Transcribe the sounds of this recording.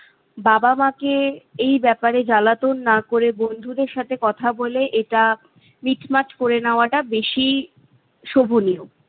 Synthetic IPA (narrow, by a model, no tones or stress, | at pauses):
babamakeejbɛpaɾed͡ʑalat̪onːakoɾebond̪ʱud̪eɾʃat̪ʰekɔt̪ʰaboleʔeʈa | miʈmat͡ɕkoɾenaoaʈabeʃi | ʃobʱonio